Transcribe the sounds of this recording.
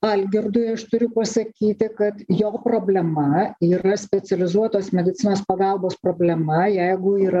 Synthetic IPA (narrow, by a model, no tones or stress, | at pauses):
ɐlʲɡʲɪrd̪ʊjɐʃt̪ʊɾʲʊpɐsɐkʲiːt̪ʲɪkɐt̪joːpɾoːbʲlʲɛmɐiːɾɐsʲpʲɛsʲɛlʲɪzuɔt̪oːsmʲɛd̪ʲɪt̪sʲɪnoːspɐɡɑlˠboːspɾoːbʲlʲɛmɐjɛɪɡʊiːɾɐ